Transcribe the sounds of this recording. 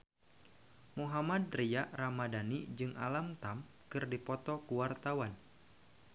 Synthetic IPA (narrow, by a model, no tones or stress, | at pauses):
muɦamad̪̚ɾijaramadanid͡ʒɨŋʔa̰lamt̪am | kɨrdipɔt̪ɔkuwart̪awan